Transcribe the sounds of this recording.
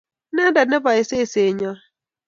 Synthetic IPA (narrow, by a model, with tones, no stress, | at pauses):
na˦da˨ne˦ba˨ɪ˨se˦˨se˨ɲɔ˦